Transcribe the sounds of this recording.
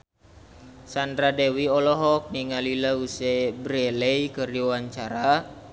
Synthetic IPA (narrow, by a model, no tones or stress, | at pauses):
sandɾadɛwiɔlɔɦɔk̚niŋalilausɛbɾɛlɛjkəriwaɲt͡ʃaɾa